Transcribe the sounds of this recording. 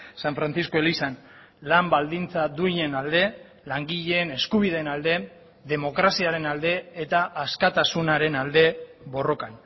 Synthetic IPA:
saɱfɾant͡sisko̞elisan | lambald̪int͡saðuiɲe̞nald̪e̞ | laŋɡiʎeːne̞skuβ̞iðe̞ːnald̪e̞ | ðe̞mo̞kɾasiaɾe̞nald̪e̞et̪aʔaskat̪asunaɾe̞nald̪e̞ | βo̞ro̞kan

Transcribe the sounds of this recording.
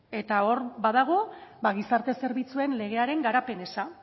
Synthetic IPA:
e̞t̪ao̞ɾbað̞aɣ̞o̞baɣ̞isaɾt̪e̞se̞ɾβit͡sue̞nle̞ɣ̞e̞aɾe̞ŋɡaɾape̞ne̞sa

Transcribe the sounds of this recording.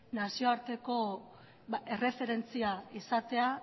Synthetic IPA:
nasio̞aɾt̪e̞ko̞ | e̞re̞fe̞ɾe̞nt͡siaisat̪e̞a

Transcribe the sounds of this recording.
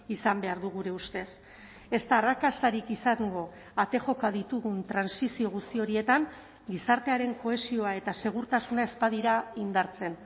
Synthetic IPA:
isambe̞aɾðuɣuɾe̞ust̪e̞s | e̞st̪aːrakasaɾikisaŋɡo̞ | at̪e̞ʝo̞kaðit̪uɣunt̪ɾansisio̞ɣ̞ust̪io̞ɾie̞t̪aŋ | ɡisaɾt̪e̞aɾe̞ŋko̞e̞sio̞ae̞t̪ase̞ɣ̞uɾt̪asunae̞spaðiɾaind̪aɾt͡se̞n

